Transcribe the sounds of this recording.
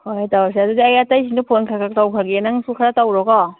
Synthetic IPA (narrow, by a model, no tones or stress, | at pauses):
hojtaws̬eadudiajatajs̬indɯpʰonkʰakak̚tawkʰalɡenaŋsʰukʰaɾatawɾɔɡɔ